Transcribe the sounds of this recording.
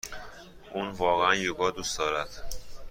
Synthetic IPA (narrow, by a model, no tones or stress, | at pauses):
ʔuːnvɒːɣeænjoɡɒːd̪uːsd̪ɒːɾæd̪̥